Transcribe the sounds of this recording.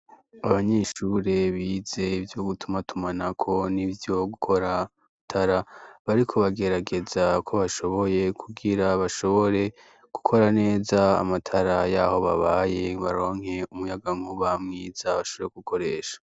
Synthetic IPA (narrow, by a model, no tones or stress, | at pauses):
aβaɲeʃuɾe̞βiːze̞ivjo̞ɡutʰumatʰumanakʰo̞nivjo̞ɡukʰo̞ɾa | tʰaɾaβaɾikʰo̞βaɡe̞ɾaɡe̞zakʰo̞βaʃo̞βo̞je̞kʰuɡiɾaβaʃo̞βo̞ɾe̞ | ɡ̥u̥kʰo̞ɾane̞ːza̰ːmatʰaɾajaːho̞βaβaje̞βaɾo̞ːŋ̥he̞umujaɡaŋhuβamŋiːzaβaʃoβoɾeɡ̥ukʰo̞ɾe̞ːʃḁ